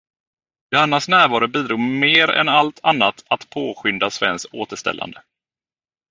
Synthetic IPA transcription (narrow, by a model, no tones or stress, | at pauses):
d̪̥ɛanːasnæːɾvɑːɾʊbiːd̪ɾuːmeːɾɛ̰nalt̪ʰanːat̪ʰat̪pʰoːɧʏnd̪asvɛ̰nskoːt̪əʂt̪ɛ̰lːa̰nd̪ə